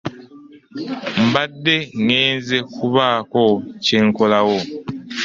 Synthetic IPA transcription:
m̩badːeŋeːnzekuβaːkoceːŋkolawo

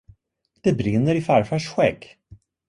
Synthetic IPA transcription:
d̪̥ɛbɾɪnːəɾɪfæɾfœʂɧɛɡ

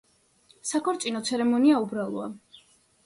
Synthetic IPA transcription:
sakʰɔɾt̪sʼinɔt̪sʰɛɾɛmɔniaubɾalˠɔa̰

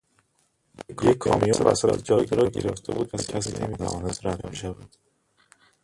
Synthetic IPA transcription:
kujekʰɒ̰ːmijɒːbæ̰sæɾæ̰zd͡ʒɒːjɟeɾɒɟe̞ɾeft̪ʰḛbuːd̪̚pʰæscʰæsiːnʔemiːt̪ʰævɒ̰ːnæst̪ɾævmiʃævæd̪̥

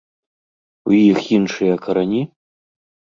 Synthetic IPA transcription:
ujixinʂɨjɐkʰɐɾɐnʲi

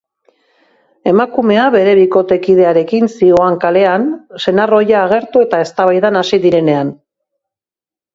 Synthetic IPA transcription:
e̞makume̞aβe̞ɾe̞βiko̞t̪e̞kiðe̞aɾe̞kinsio̞aŋkale̞anse̞naro̞jaːɣ̞e̞ɾt̪ue̞t̪ae̞st̪aβajðanasiðiɾe̞ne̞an

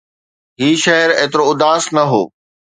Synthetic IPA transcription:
ɦiːʃɐɦɾeːt̪ɪɾoʊd̪aːsnɐɦo̰ː

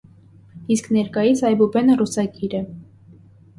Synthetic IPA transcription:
isknɛɾkɑjisɑjbubɛnərusɑɡiɾɛ

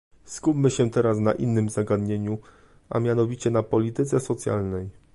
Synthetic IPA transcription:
skupmɘɕɛt̪ɛɾasnaʔinːɘmzaɡad̪ɲeɲu | ʔa̰mʲjanɔvʲit͡ɕɛnapɔlʲit̪ɘt̪sɛsɔt̪sʲja̰lnɛj

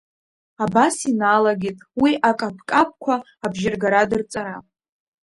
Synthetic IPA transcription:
abasinalaɡʲitʼwiʔakʼapʰkʼap̚ʷʰʼkʷʰaː | bʒɪrɡaɾadɨrt͡sʼaɾa

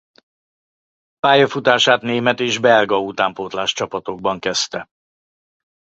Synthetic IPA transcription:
paːjɒfut̪aːʃaːt̪neːmɛt̪eːʒbɛlɡɒut̪aːmpoːt̪laːʃt͡ʃɒpɒt̪o̞ɡ̚bɒŋkɛst̪ɛ

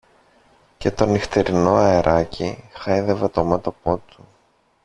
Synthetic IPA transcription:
ce̞t̪o̞nixt̪eɾino̞ɐeɾʔɐcʰixɐjðevɐt̪o̞mɐt̪o̞po̞t̪u

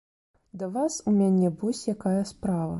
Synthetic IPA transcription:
d̪ɐvasumʲanʲɛvɔsʲjakajɐspɾavɐ̰

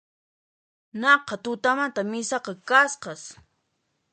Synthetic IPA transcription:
nɑqɑt̪ʊt̪amant̪amɪsɑqɑkasqɑs

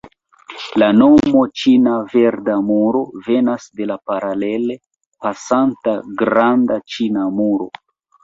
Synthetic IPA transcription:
lano̞mo̞t͡ʃinave̞ɾdamuɾo̞ve̞nasde̞lapaɾale̞le̞ | pasantaɡɾandat͡ʃinamuɾo̞̰

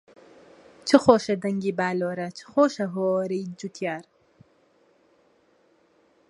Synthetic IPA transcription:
t͡ʃʰɨxoːʃɐd̪ɐŋɡiːbaːloːɾɐt͡ʃʰɨ̥xoːʃɐɦoɾijd͡ʒut̪ʰjaːɾ

